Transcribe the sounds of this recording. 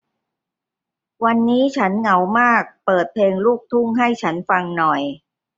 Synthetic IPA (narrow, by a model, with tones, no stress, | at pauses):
wa˧nːiː˦˥t͡ɕʰa˦˥nŋa˩˦˥wmaː˥˩k̚pɤː˨˩t̪̚pʰleː˧ŋluː˥˩k̚t̪ʰu˥˩ŋɦa˥˩jt͡ɕʰa˦˥nfa˧ŋnɔ˨˩j